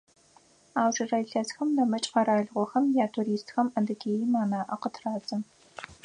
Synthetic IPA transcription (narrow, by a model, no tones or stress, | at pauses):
aːwʒɐraːjɬɐsxɐmnɐmɐt͡ʃʼqɐɾaːɮʁʷɔxɐmjaːtʰuːɾiːstxɐmɐndɨɡeːjimaːnaːʔɐqətʰraːt͡sʼɐ